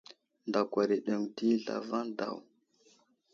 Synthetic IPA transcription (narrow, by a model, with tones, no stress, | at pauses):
nda˨kʷa˨ɾi˨ɗə˨ŋti˦ɮa̰˨va˦da̰˨w